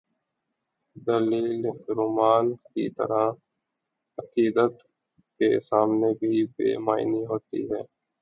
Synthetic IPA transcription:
d̪əliːlɾʊmaːnkḭt̪ə̰ɾa | ɐqiːd̪ət̪ | kesaːmnebʱibḛːmaːɪniɦoːt̪ḭɦɛː

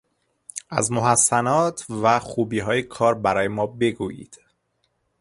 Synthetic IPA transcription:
ʔæ̰zmo̞ɦæsːænɒːt̪ʰvæxuːbiːɦɒːjekʰɒːɾbæɾɒːjemɒːbe̞ɡuːjḭːd̪̥

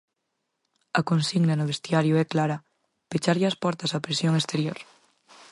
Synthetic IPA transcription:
akonsiɣnanoβ̞est̪jaɾjoɛklaɾa | pet͡ʃaɾʎaspɔɾt̪asapɾesjoŋest̪eɾjoɾ

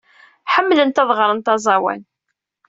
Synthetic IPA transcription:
ħəmːlənt̪ɑðˤʁɾˤənt̪ɑzˤɑwæ̰n

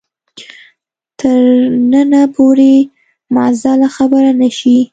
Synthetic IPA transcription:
t̪ʰəɾnənapʰoɾe | mazalaxabəɾanaʃi

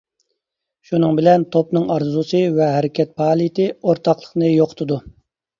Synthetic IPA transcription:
ʃunɨŋbɪlɛnt̪ʰopnɨŋɑɾzusɨvɛɦɛɾɪkʲʰɛt̪̚pʰɑːlˠijt̪ʰɪoɾt̪ʰɑqlˠə̥χnɨjoqʰʊ̥t̪ʰɨd̪u

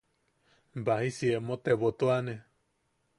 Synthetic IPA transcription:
baɦisiemot̪eβot̪uane

